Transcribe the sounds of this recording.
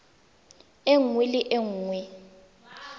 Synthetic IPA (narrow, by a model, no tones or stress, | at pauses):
eŋwilɪʔeŋːwɛ